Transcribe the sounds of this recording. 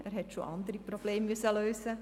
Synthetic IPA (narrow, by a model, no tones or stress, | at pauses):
ʔæːɾhɛtʃo̰ʔɑnd̪əɾiprob̥leːmːyəsəløːsə